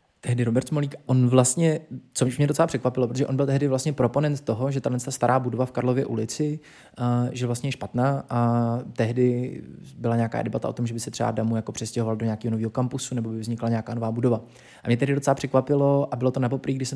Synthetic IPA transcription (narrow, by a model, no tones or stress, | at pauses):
t̪ɛɦdɪɾo̞bɛɾt̪moliːkaʔonvlast̪ɲɛt͡somɲɛdot͡sɛlapr̥ɛkvapɪlop̬ɾot̪oʒɛʔonbɪlt̪ɛɦdɪvlast̪ɲɛpɾo̞po̞nɛnt̪t̪o̞ɦoʒɛt̪adlɛnt͡sst̪ast̪aɾaːbudovafkaɾlo̞vjɛʔṵlɪt͡sɪ | ʒɛvlast̪ɲɛjɛʃpat̪naːʔat̪ɛɦdɪbɪlaɲeaka̰ːdɛbat̪a̰ʔo̞t̪omʒɛbɪsɛt̪r̥ɛba̰damujako̞pr̥ɛscɛɦovaldoɲeaːkiːɦonoviːɦo̞kampusunɛbo̞bɪvzɲɪklaɲeakaːnovaːbudo̞va | ʔamɲɛt̪ɛɦdɪdot͡sɛlapr̝̥ɛkvapɪlo̞ʔabɪlo̞t̪onapo̞pɾiːɡdɪʃsɛ